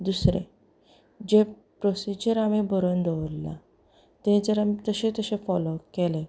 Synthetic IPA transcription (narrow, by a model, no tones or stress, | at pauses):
d̪usɾḛ̃ | d͡ʑe | pɾɔsid͡ʑəɾamebəɾond̪ɔʋɾla̰ | t̪ẽd͡zəɾamt̪əsẽt̪əsẽfɔlokele